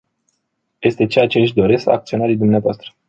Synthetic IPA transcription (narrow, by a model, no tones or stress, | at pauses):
je̞st̪e̞t͡ʃeat͡ʃeɨʃ̬ʲd̪o̞ɾe̞ska̰kt̪sio̞naɾijd̪umneavoast̪ɾə̥